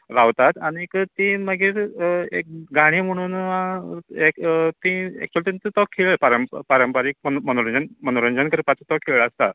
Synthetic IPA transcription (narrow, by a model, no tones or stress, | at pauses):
ɾaʋt̪at̪aɽ̃ikt̪ĩməɡiːɾḛk̚ɡaɽ̃iːm̤əɽ̃uːnãekt̪ĩɛ̰k̚t͡ɕualt̪int̪it̪ɔkʰːeɭpaɾəmppaɾəmpaɾiːk̚məmənoɾənd͡ʑanmənoɾənd͡ʑankəɾpat͡sət̪ɔkʰːeɭɭəst̪a